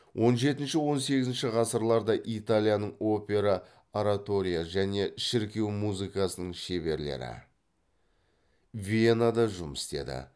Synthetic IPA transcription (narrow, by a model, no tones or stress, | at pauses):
wʔo̞nʒe̞t̪ɪnʃɪwo̞nse̞ɡʲɪzɪnʃɪʁɑsəɾlˠɑɾd̪ɑʔit̪alʲijanəɴo̞pʲe̞ɾɑ | aɾat̪o̞ɾʲijaʒæne̞ʃɪɾkʲe̞wmuzijkɑsənəɴʃe̞βe̞ɾle̞̰ɾɪ̰ | vʲienad̪ɑʒʊməst̪e̞̰d̪ɪ̰